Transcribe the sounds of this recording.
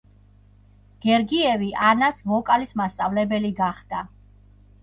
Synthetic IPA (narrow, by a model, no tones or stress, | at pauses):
ɡ̥ɛɾɡiɛviʔanasmɔkʼalismast̪sʼavlɛbɛliɡaχd̪̥a